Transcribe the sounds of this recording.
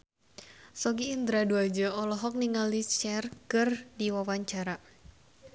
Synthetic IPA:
sɔɡiːnd̪ɾaduad͡ʒəɔlɔɦɔk̚niŋalit͡ʃɛrkɨrdiwawaɲt͡ʃaɾa

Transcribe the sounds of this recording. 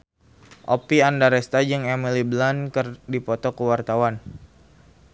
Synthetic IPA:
ʔopiandaɾɛst̪ad͡ʒəŋɛmilibəlankərdipɔt̪ɔkəwart̪awan

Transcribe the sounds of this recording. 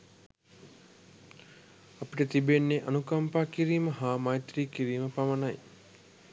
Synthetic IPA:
apiʈət̪ibenːeʔanukɐmpaːkiɾiːməɦaːmajt̪ɾiːkiɾiːməpamənaj

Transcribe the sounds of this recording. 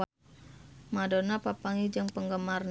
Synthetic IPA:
madonapapaŋid͡ʒɨŋpəŋɡəmarn

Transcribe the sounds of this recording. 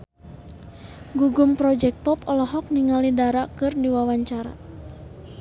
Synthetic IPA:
ɡuɡumpɾɔd͡ʒɛk̚t̪̚pɔpɔlɔɦɔk̚niŋalidaɾakɨrdiwawaɲt͡ʃaɾa̰

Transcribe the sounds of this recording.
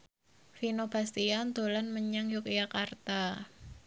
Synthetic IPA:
finob̥a̤st̪iand̪̥o̤lanməɲaŋjokjakart̪a

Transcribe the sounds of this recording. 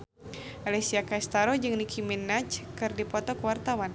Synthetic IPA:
ʔalɛsiakaist̪aɾɔd͡ʒɨŋnikʰiminːat͡ʃkɨrdipɔt̪ɔkəwart̪awan

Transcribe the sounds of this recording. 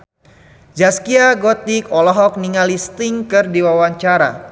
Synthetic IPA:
d͡ʒaskiaɡɔt̪ikɔlɔɦɔk̚niŋalist̪iŋkɨrdiwawaɲt͡ʃaɾa̰

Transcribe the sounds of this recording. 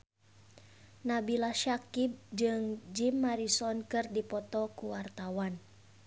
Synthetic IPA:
nabilaʃakib̚d͡ʒɨŋd͡ʒimːaɾisɔnkɨrdipɔt̪ɔkuwart̪awan

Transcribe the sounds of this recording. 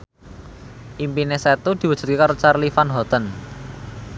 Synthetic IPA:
ʔimpineset̪ud̪̥i̤wu̥ʒ̥ṳt̪kekaɾot͡ʃarlifanɦɔt̪ən

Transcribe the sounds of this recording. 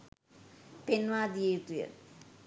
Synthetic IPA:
penʋaːd̪ijejut̪ujə̰

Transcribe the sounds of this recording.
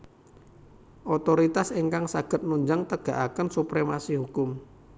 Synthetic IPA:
ʔot̪oɾit̪aseŋkaŋsaɡ̥ət̪̚nuɲd͡ʒaŋt̪əɡ̥a̤ʔakənsupɾemasihukʊm

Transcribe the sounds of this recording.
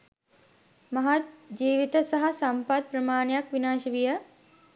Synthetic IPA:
mɐɦat̪̚d͡ʒiːʋit̪ɐsɐɦɐsɐmpat̪̚pɾɐmaːnejakʋinaːʃɐʋijə

